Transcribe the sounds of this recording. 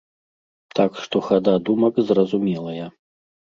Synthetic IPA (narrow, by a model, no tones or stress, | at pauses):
t̪akʂt̪ɔxad̪ad̪umɐkzrɐzumʲɛlˠɐja